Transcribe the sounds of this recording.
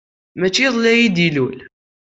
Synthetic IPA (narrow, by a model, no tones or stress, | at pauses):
mæt͡ʃːiðˤlæjid̪ilul